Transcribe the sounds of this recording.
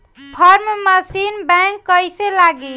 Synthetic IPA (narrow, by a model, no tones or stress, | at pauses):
pʰəɾmməsinbɛ̃ŋkːəjselaɡi